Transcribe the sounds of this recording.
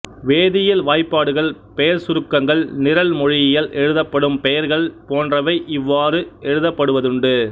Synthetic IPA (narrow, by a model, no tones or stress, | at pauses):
ʋeːðɪjɪlʋaːjpːaːɽɯɣɐɭpɛjɐɾsʊɾɯkːɐŋɡɐɭnɪɾɐlmɔɻɪjɪjɐlʔɛɻɯðɐpːɐɽɯmpɛjɐɾɣɐɭpoːndrɐʋɐɪʔɪʋːaːɾɯɛɻɯðɐpːɐɽɯʋɐðɯɳɖɯ